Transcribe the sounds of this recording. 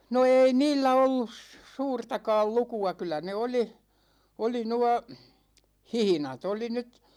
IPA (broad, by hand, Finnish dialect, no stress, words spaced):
no eːi niːlːæ olːus suːrtɑkɑːl lukuɑ kylˑæ ne oli oli nuɑ hihĭnɑt oli nyt